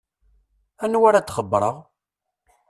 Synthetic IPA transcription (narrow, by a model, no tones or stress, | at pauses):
ænwaɾat͡s̪ːχəbːɾˤəʁ